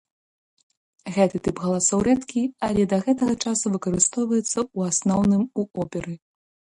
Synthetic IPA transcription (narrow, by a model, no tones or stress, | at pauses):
ɣɛt̪ɨt̪ɨpɣɐlˠasɔwɾɛt̪kʲialʲɛd̪ɐɣɛt̪ɐɣɐt͡ʂasuvɨkɐɾɨst̪ɔwvɐjɛt̪sːɐuasnɔwnɨmuɔpʲɛɾɨ